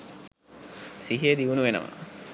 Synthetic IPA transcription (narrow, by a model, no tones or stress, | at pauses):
siɦeːd̪iʋunuʋenə̰mə̰